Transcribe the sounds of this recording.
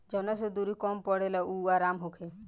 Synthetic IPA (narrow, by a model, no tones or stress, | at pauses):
d͡ʒɔwnased̪uɾikɔmpɔɽelauaːɾamɦokʰe